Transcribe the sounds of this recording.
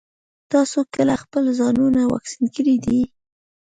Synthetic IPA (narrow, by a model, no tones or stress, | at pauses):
t̪ɑsokəlaxpəlzɑnunawɑ̰ksinkəɽid̪i